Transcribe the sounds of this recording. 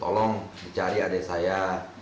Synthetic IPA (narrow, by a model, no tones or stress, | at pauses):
t̪ɔlɔŋdit͡ʃaɾiadesaja